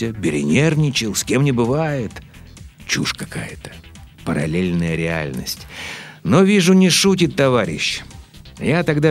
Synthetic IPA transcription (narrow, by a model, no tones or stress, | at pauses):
əbʲɪɾʲɪ̰nʲervnʲɪt͡ɕɪlˠsʲkʲe̞mnʲɪbɨvajɪt̪ | t͡ɕuʂkɐka̰jət̪ə̥pəɾɐ̰lʲelʲnəjəɾʲɪa̰lʲnə̰sʲtʲno̞vʲiʐʊnʲɪʂutʲɪt̪ːɐvaɾʲɪ̰ɕː | jat̪ɐɡd̪a